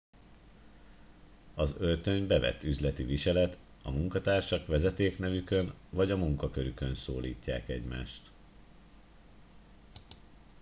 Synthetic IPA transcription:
ɒzølt̪ø̞ɲbɛvɛ̰t̪ːyzlɛt̪iviʃɛlɛt̪ | ɒmuŋkɒt̪aːrʃɒkʋɛzɛt̪eːknɛvykø̞nvɒɟɒmuŋkɒkø̞ɾykø̞nso̰ːliːcːa̰ːkɛɟma̰ːʃt̪

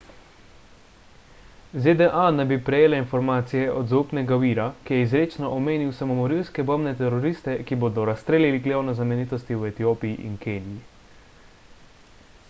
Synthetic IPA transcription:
zed̪ɛʔanɛbipɾɛjeːlɛinfɔɾmaːt̪sijɛʔɔd̪zaupnɛɡawiːɾakijɛizɾeːt͡ʃnɔʔɔmeːniwsamɔmɔɾilskɛbəmnɛt̪ɛɾɔɾiːst̪ɛkiboːd̪ɔɾast̪ɾeːlʲiliɡlewnɔznamɛniːt̪ɔst̪iwɛt̪ijoːpijiʔinkeːnji

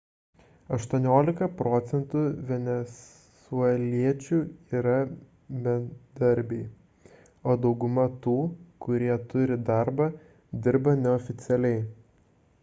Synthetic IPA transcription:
ɐʃt̪uɔnʲoːlʲɪkɐpɾɔt̪sʲɛnt̪uːʋʲɛnʲɛs | uɛlʲiɛt͡ʃʲuːiːɾɐ | bʲɛd̪ɐɾʲbʲɛɪ | oːd̪ɒʊɡʊmɐt̪uːkʊɾʲiɛt̪ʊɾʲɪd̪ɑˑɾbɐ | d̪ʲɪɾbɐnʲɛɔfʲɪt̪sʲɛlʲɛɪ

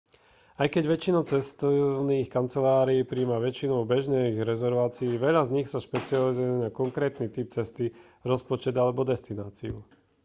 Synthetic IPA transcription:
ajkɛɟʋɛt͡ʃinɔt͡sɛst̪ɔniːxkant͡sɛlaːɾiːpɾiːmaʋɛt͡ʃinɔʊbɛʒnɛɣɾɛzɛɾʋaːt͡siːʋɛʎazɲixsaʃpɛt͡sializujɛnakɔŋkɾɛːt̪nit̪ip̚t͡sɛst̪i | ɾɔspɔt͡ʃɛd̪alɛbɔd̪ɛst̪inaːt͡siu

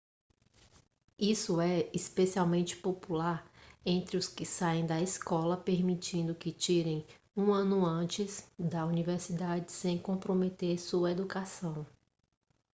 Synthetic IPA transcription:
isʊɛispesiawmẽnt͡ʃɪ̥populaɾẽnt̪ɾɪʊskɪsaẽj̃d̪ɐiskɔlɐpeɾmit͡ʃĩnd̪ʊkɪt͡ʃiɾẽj̃ | ũɐ̃nʊɐ̃t͡ʃɪzd̪ɐuniveɾsid̪ad͡ʒɪsẽj̃kõpɾomet̪eɾsuɐed̪ukasɐ̃w̃

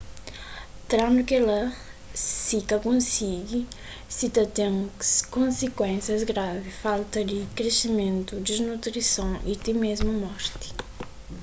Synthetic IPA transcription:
t̪ɾãnd̪ukɛlɐ | sikɐkõsiɡi | sit̪ɐt̪ẽŋskõnsikwẽnsjɐzɡɾavifalˠt̪ɐd̪ɪkɾesimẽnt̪ud̪iznut̪ɾisɐ̃w̃ʔit̪imezmɐmɔɾt̪i̥

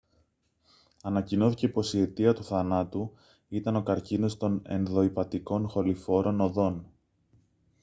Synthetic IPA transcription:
ɐnɐcino̞θice̞po̞sie̞t̪iɐt̪uθɐnɐt̪u | it̪ɐno̞kɐɾcino̞st̪o̞ne̞nðo̞ipɐt̪iko̞nxo̞lifo̞ɾo̞no̞ðo̞n

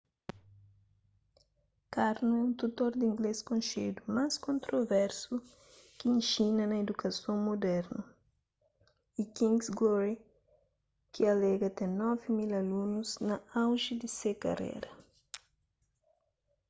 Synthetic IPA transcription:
kaɾnut̪ut̪oɾd̪ĩŋɡleskõnʃed̪umaskõnt̪ɾovɛɾsu | kiĩnʃinɐnɐed̪ukɐsõŋmod̪ɛɾnu | ikĩŋɡsɡloɾi | kiɐlɛɡɐt̪ɛ̃nɔvimilɐlunuznɐawʒid̪isekɐ̰rḛɾɐ

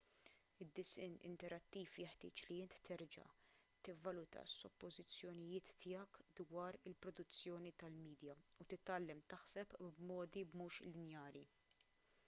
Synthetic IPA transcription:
ɪd̪ːɪsɪnɪ̰nt̪ɛɾɐt̪ːiːfjɛħt̪ɪ̰ːt͡ʃliɪnt̪ːɛɾd͡ʒɐ̰ | t̪ɪvːɐlʊt̪ɐ̰sːɔpːɔzɪt͡sːjɔnɪjɪːt̪ːɪːjɐkd̪wɐːɾɪlpɾɔd̪ʊt͡sːjɔːnit̪ɐlmiːd̪jɐut̪ɪt̪ːɐlːɛmt̪ɐħsɛpbmɔːd̪ibmuːʃlɪnjɐːɾi

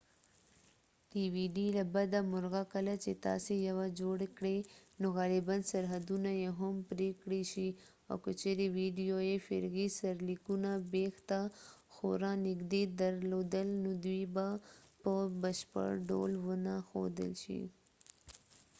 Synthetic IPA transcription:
ɖiwiɖilabad̪amʊɾɣakəlat͡ʃet̪ɑ̰sejawad͡ʒoɽkɽenoɣalɪbansaɾɦad̪unajeɦampɾekɽeʃi | a̰wkət͡ʃeɾewiɖijojefɪ̰ɾɣisaɾlikunabext̪axo̰ɾɑnɪɡd̪ed̪aɾlod̪əlnod̪wibapəbəʃpə̰ɽɖo̰lwənaxo̰d̪ə̰lʃḭ

